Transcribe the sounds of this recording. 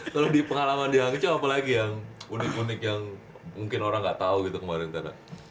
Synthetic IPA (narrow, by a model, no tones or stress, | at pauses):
kalodipəŋalamandiaŋit͡ʃoapalaɡijaŋunɪkunɪk̚jaŋ | muŋkɪnoɾaŋɡaʔt̪auɡit̪ukəmaɾɪnt̪aɾa̰